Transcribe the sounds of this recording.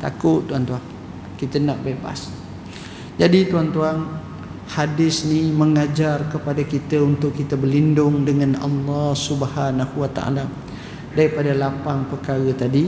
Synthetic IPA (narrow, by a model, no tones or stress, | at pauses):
t̪a̰kʊt̪ːuant̪uaŋ | kit̪ənaʔbeba̰s | d͡ʒadit̪uant̪uaŋ | hadɪsniməŋad͡ʒarkəpadakit̪əunt̪ʊkːit̪əbəlindʊŋdəŋãnɑ̰lːɑhsubəhanahuwat̪a̰ʔa̰la | daɾipadalapaŋpəkaɾət̪adi